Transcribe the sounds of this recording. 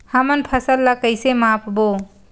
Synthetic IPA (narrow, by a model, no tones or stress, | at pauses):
həmənpʰəsəlːakəjsemapʰbo